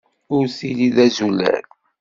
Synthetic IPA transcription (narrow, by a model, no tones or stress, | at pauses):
ʊɾθiliðæzulæ̰ɾ